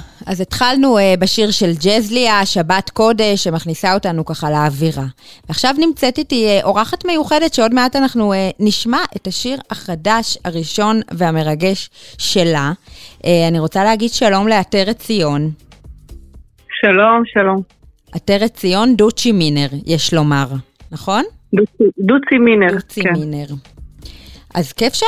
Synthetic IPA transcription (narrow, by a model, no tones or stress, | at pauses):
azetχalnuebaʃiʁʃe̞ld͡ʒezliaʃabatko̞de̞ʃːemaχnisao̞tanukaχaleːviʁaveaχʃavnimt͡setitieʔo̞ʁaχatme̞juχe̞de̞tʃeo̞dmeatanaχnueniʃmaʔe̞taʃiʁaχadaʃaʁiʃo̞nveame̞ʁaɡe̞ʃːe̞laʔeaniʁo̞t͡saleːɡidʃalo̞mleateʁet͡sijo̞n | ʃalomʃalom | ateʁet͡sijo̞ndut͡ʃimine̞ʁjeʃlo̞maʁ | naχo̞n | duidut͡simineut͡siineʁ | ʔa̰zkefʃ